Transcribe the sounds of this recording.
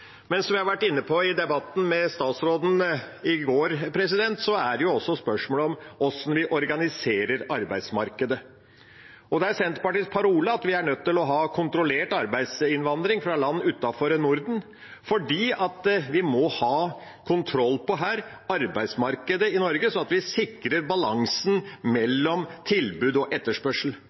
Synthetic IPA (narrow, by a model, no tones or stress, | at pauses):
mɛnsɔmjæɪhɑɾʋæʈːɪnːəpʰɔɪd̪ɛbɑt̪ːn̩mɛst̪ɑːt̪sɾoːd̪n̩ɪɡoːɾpʰɾɛs̬ɪd̪ɛnt̪sɔæɖɛjʊɔsːɔspœʂmoːlɔmɔsɔnʋɪʔɔɾɡɑnɪseːɾəɾɑɾbæɪd̪smɑɾkəd̪ə | ɔd̪ɛæɾsɛnt̪pɑʈiːspʰɑɾuːləɑt̪ʋɪæɳœt̪ːɪlɔɦɑːkʰʊnt̪ɾʊleːʈɑɾbæɪd̪sɪnʋɑnd̪ɾɪŋfɾɑlɑnːʉːt̪ːɑfɔɾənʊɾd̪n̩ | fɔɖiːɑt̪ʋɪmɔhɑː | kʰʊnt̪ʰɾɔlːpɔɦæːɾ | ɑɾbæɪd̪smɑɾkəd̪əɪnɔɾɡəsɔɑt̪ʋɪsɪkːɾəɾbɑlɑŋsn̩mɛlːɔmt̪ʰɪlbʉːd̪ɔʔɛt̪ːəʂpœʂəl̩